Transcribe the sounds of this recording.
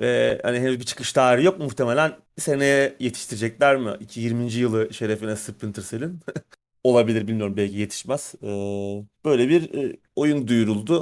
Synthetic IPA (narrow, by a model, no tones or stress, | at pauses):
vɛhaniɦenyzbit͡ʃʰɯ̥kʰɯ̥ʃt̪aːɾijo̞k̚mmuxt̪ʰe̞me̞lʲæn | senejɛjet̪ʰi̥ʃt̪ʰiɾid͡ʒɛclʲæɾmɪicʰijiɾmind͡ʒijɯlˠɯʃe̞ɾefinɛsɯpːint̪ʰɯɾselʲin | o̞lˠabilʲiɾbilʲmijoɾumbɛlʲcije̞t̪ʰi̥ʃmæz̥ɯːb̥ø̞jlʲɛbiɾ | o̞jund̪ujuɾulˠd̪ʊ